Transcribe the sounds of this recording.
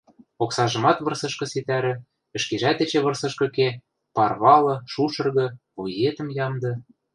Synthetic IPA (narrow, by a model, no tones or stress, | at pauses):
oksɑʒɤ̆mɑt̪βɤ̆rsɤ̆ʃkɤ̆sit̪æɾɘ̆ | ɘ̆ʃkeʒæt̪ĕt͡ɕĕβɤ̆rsɤ̆ʃkɤ̆ke | pɑrβɑlɤ̆ʃuʃɤ̆rɣɤ̆ | ojet̪ə̆mjɑmd̪ɤ̆